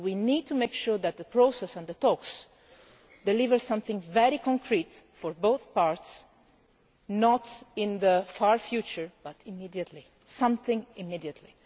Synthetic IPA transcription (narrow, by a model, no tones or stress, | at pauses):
winid̚tʰumeɪkʃuɹðæt̪̚ðəpɹosɛsɛ̃nðət̪ɔks | d̪ɛlivəɹsʌ̃mθɪ̃ŋvɛɾikɔ̃ŋkʰɾit̪fɔɹboʊθpaɹts | nɔtɪ̃nðəfaɹfjut͡ʃəɹb̥ʌtʰɪmidiət̪ʰli | sʌ̃mθɪ̃ŋɪmidiət̪ʰli